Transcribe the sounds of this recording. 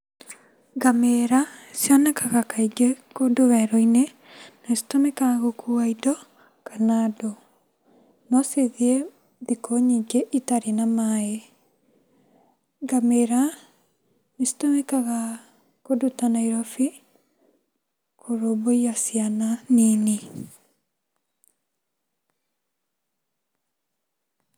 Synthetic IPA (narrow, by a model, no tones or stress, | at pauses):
ɡameɾasjanakaɣakaiɡekodoβɛɾɔine | nasi̥tɔmɛkaɣokuaidɔ | kanado | nɔseðie | ðikoɲiɡeʔitaɾinamae | ŋɡameɾa | nesi̥tɔmɛkaɣa | kodotanaiɾɔfi | kʰoɾomoijasiananini